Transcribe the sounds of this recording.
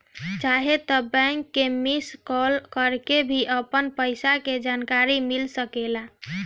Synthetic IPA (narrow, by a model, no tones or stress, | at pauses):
t͡ʃaɦet̪ɔbɛ̃ŋkːemiskɔlkəɾkebʱiʔəpənpəɪsaked͡ʒankaɾimilsəkela